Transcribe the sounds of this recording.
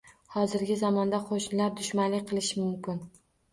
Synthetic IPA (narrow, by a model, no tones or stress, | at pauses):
hɒzɪɾɡʲɪzɒmɒnd̪aqʰoʃnɪlaɾd̪ʊʃmanlɪqʰɨlˠɪʃɪmʊmkʲɪn